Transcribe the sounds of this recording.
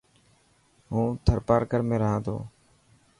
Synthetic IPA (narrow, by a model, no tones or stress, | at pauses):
ɦũːt̪ʰəɾpaːɾkəɾmẽːɾəɦãːt̪ʰo̰ː